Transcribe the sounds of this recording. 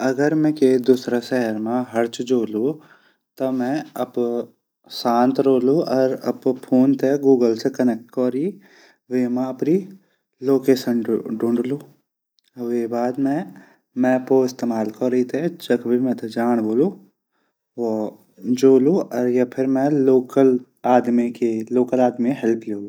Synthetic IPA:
ɐɡəɾmɛ̃keːd̪usɾaʃɛɦəɾmãɦɐɾt͡ʃd͡ʒoːlu | t̪ɐmɛ̃ɐp | sãːnt̪ɾoːluʔɔɾɐppʰoːnt̪ʰeɡuːɡəlsekɐnɛk̚ʈkɔːɾi | ʋeːmãɐpni | loːkeːʃənɖɖõɳɖluː | ʋebaːd̪mɛ̃ | mɛ̃ɐpoɪst̪eːmaːlkɔɾɐit̪ʰed͡ʒɐkbʱimɛ̃t̪ɐd͡ʒaːɽ̃boːlu | ʋo | d͡ʒoːluɔɾjapʰɪɾmɛ̃loːkəl | aːd̪mikeloːkəlaːd̪miɦɛlpʰleːluː

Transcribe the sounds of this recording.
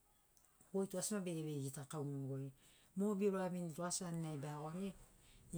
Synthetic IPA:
ɡojtuasmabeβeɡitakawmaɡoj | mobioɾoaβinitoasaninajbaɡoane

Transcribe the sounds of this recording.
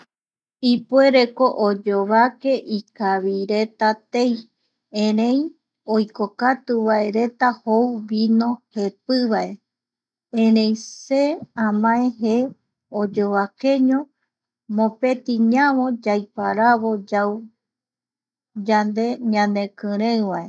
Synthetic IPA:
ipue̞ɾe̞koʔod͡ʒoβake̞ʔikaβiɾe̞t̪at̪e̞j | ẽɾẽj | ojkokat̪uβae̞ɾe̞t̪ahowβinõ̞he̞pɨβaʔe̞ | ẽɾẽjse̞ãmãẽɦe | od͡ʒo̞βake̞ɲõ | mõ̞pe̞t̪ĩɲãβõ̞d͡ʒajpaɾaβo̞d͡ʒaw | d͡ʒand̪e̞ɲãnd̪ẽ̞kɨ̃ɾ̃ẽwʋae̞

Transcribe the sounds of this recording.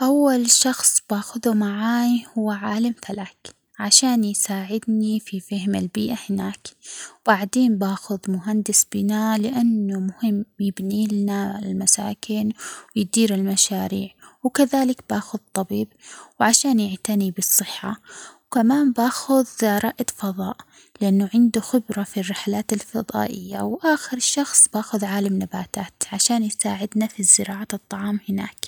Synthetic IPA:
ʔawːalʃɑxsˤb̥aːxʊðumaʕaːjhʊwːʕaːlamfalaːk | ʕaʃaːnjsaːʕɪd̪nififahmɪlbiːʔahɪnaːkb̥aʕd̪eːnbaːxʊðmʊɦand̪ɪsb̥ɪnalɪʔanːʊmʊhɪmːjɪbniːlɪnalmasa̰ːkɪnwɪjd̪iːɾɪlmaʃaːɾiːʕwkaðaːlɪkb̥aːxʊðt̪ˤːɑbiːbwʕaʃaːnjɪʕt̪anibɨsˤːɨħːawkamaːmbaːxʊðɾˤɑʔd̪fɑðˤɑ̰ːʔ | lɪʔanːʊʕɪnd̪uxɪbɾˤɑfirːɪħlaːt̪alfɑðˤɑ̰ːʔɪ̰jːa̰wʔaːxɪɾʃɑxsˤb̥aːxʊðʕaːlamnabaːt̪aːt̪ʕaʃaːnjsa̰ːʕɪd̪nafizːɪɾɑːʕaɨt̪ˤːɑʕɑːmhɪna̰ːk

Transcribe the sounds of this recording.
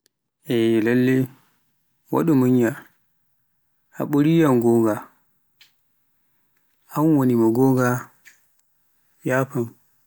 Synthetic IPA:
ʔɛlalːe | wa̰ɗɔmuɲja | ʔa̰ɓoɾijamɡɔːɡa | ʔamwonimaɡɔɡa | jaːpam

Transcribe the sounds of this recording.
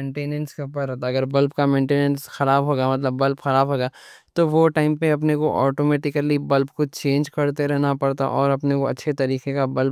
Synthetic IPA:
ẽːɳʈeːnə̃nskeɦʊpəɾɛɦt̪aɐɡəɾbɐlbkamẽːɳʈeːnə̃nsxɐɾaːbɦoːɡamɐt̪̬ləbːɐlbxɐɾaːbɦoːɡaːt̪oʋoʈaːɪmpeɐp̬nekoʔɔːʈomeːʈɪkəlibɐlbkot͡ʃẽːnd͡ʒkɐɽt̪eɾɛɦnapɐɽt̪a̰ʔɔːɾɐpnekoɐ̰tːʃʰet̪ɐɾiːqekabɐlb̚

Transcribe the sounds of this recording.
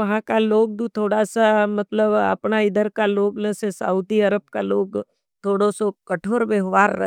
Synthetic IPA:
ɐɦãkaloːɡ̚d̪ut̪ʰoːɽasamɐt̪ləbə̰pnaɪd̪əɾkaloːɡnəsesa̰ud̪iɐɾəb̚kaloːɡ | t̪ʰoːɽosɔkɐʈʰoːɾʋeɦʋaːɾːɐ̰

